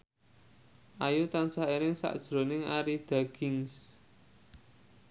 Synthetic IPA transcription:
ʔajut̪ansaenɪŋsa̰ʔd̥ʒ̥ɾo̤nɪŋaɾid̪̥a̤ɡ̥ɪŋs

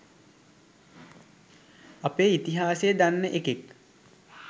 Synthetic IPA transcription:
apeːit̪iɦaːsejəd̪anːəʔekek

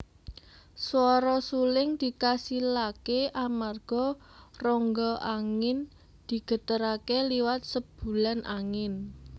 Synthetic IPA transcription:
swɔɾɔsulɪŋd̪̥i̤kasilakeʔamarɡ̥ɔ̤ | rɔŋɡɔʔaŋɪn | d̪̥i̤ɡ̥ə̤t̪əɾakeliwat̪̚səb̥ṳlanʔa̰ŋɪn

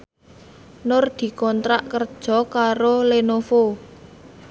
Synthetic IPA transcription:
nʊrd̪̥i̤kɔnt̪ɾaʔkərd̥ʒ̥ɔ̤kaɾolenofo

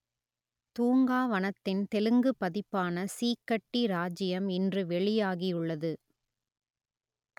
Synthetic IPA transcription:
t̪uːŋɡaːʋɐnɐt̪ːɪnt̪ɛlɯŋɡɯpːɐðɪpːaːnɐsiːkːɐʈːiɾaːd͡ʒɪjɐmɪndrɯʋɛɭɪjaːɣiʊɭːɐðɯ

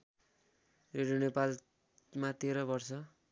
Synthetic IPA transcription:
reɖijonepal | mat̪eɾʌbʌrt͡sʰʌ

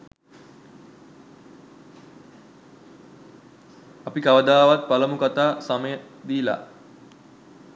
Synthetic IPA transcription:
apikaʋəd̪aːʋat̪̚paləmukat̪aːsaməjə | d̪iːla̰

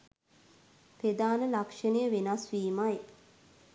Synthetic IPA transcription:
ped̪aːnəlakʂənəjəʋenasʋiːmaj

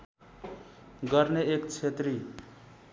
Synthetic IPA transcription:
ɡʌrneekt͡sʰet̪ri

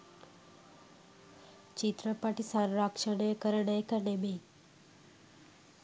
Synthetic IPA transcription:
t͡ʃit̪ɾəpaʈisaɾɾakʂəɳekəɾɳəjkəɾɳeme

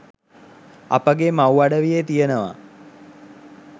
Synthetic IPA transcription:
a̰pəɡemawaɖəʋijet̪ijənəʋa̰

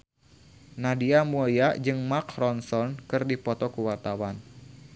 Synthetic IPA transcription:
nadiamujad͡ʒɨŋmakrɔnsɔnkɨrdipɔt̪ɔkuwart̪awan

